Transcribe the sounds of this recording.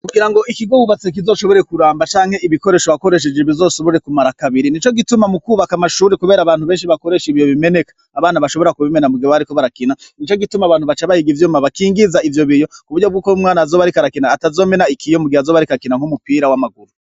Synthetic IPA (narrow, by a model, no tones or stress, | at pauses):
kuɡiɾaŋɡo̞ʔikiɡoβuβat͡sek̬izo̞ːʃo̞βo̞ɾe̞kuɾaːmbat͡ʃaːŋhe̞iβiko̞ɾe̞ːʃoako̞ɾe̞ʃ̬e̞d͡ʒe̞βizo̞ːsoβuɾe̞kumaɾakaβiɾinit͡ʃo̞ɡitumamukuːβakamaʃuːɾekuβe̞ːɾaːβaːnhuβe̞ːnʃiβako̞ɾeʃiβijo̞βime̞ne̞kḁːβaːnaβaʃo̞βo̞ɾakuβimenamuɡioaɾiko̞βaɾakinanit͡ʃo̞ɡitumaːβaːn̥huβat͡ʃaβahiɡivjoːmaβakiːŋɡizaivjo̞βijokuβuɾɟo̞bɡuːkomŋaːnazoːβaɾikaɾakinaːtazome̞naikʰijo̞muɡiazo̞ːβaɾikakinaŋhumupiɾawamaɡuɾu